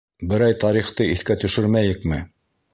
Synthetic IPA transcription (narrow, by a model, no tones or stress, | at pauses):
bɘ̆ɾɑjt̪ɑɾiχt̪ɤiθkæt̪ɵ̆ʃɵɾmæjɘ̆kmɘ